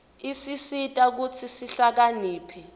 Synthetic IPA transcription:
isisitʼak̬ut͡sʰisiɬak̬aniːpʰɛ

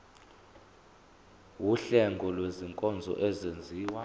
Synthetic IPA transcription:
wuɬɛŋɡʱɔlweziŋkʼɔnd͡zʱɔ̰ʔɛzend͡zʱiːwa

